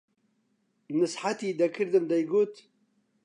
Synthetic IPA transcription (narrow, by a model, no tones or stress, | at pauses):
nɨsħat̪id̪ɐkʰɨɾd̪ɨnd̪ɐjɡut̪